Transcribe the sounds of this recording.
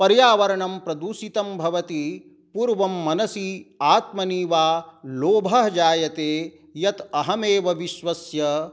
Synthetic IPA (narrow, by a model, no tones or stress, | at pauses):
pɐɾjaːʋɐɾɐɳɐmpɾɐd̪uʃit̪ɐmbʱɐʋɐt̪i | puːɾʋɐmːɐnɐsiaːt̪mɐniːʋaːloːbʱɐɦd͡ʒaːjɐt̪eː | jɐt̪ɐɦɐmeːʋɐʋiʃʋɐsjɐ